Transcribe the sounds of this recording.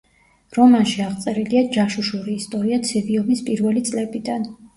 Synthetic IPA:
ɾɔmanʃiaʁt̪sʼɛɾiliad͡ʒaʃuʃuɾiːst̪ʼɔɾiat̪sʰɛviɔmispʼiɾvɛlit̪sʼlɛbid̪an

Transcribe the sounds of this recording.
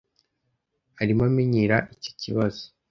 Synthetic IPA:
aɾimamiɲiɾaʔico̥ciβaz̥o̥

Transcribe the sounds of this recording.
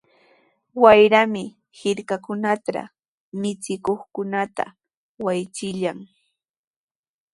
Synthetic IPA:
wajɾamɪ | hɪɾkakʊnat̪a̰ | mɪt͡sɪkoχkʊnat̪a̰ | wajt͡sɪʎaŋ

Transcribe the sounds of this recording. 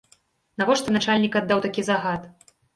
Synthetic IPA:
navɔʂt̪ɐnat͡ʂalʲnʲikad̪ːawt̪akʲizaɣat̪

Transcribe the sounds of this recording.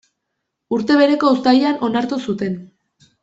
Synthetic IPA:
uɾt̪e̞β̞e̞ɾe̞ko̞ust̪ajanʔo̞naɾt̪usut̪e̞n

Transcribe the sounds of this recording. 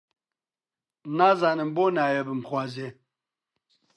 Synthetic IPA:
nazanəmbonaːjebɨmχʷwaze

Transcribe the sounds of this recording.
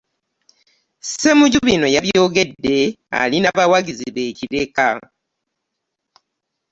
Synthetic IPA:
se̞muɟuβino̞jaβjo̞ːɡe̞dːe̞ | a̰linaβawaɡiziβe̞ːciɾe̞ka

